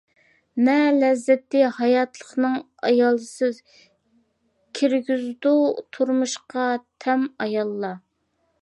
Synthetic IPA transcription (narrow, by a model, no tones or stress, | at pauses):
mɛlɛzːɛt̪ːɪhɑjɑt̪lˠəχnɨŋ | ɑ̰jɑlˠɨsɨ | kʲʰiɾɡʲyzd̪ut̪ʰuɾmuʃqɑt̪ʰɛmɑjɑlˠːɑ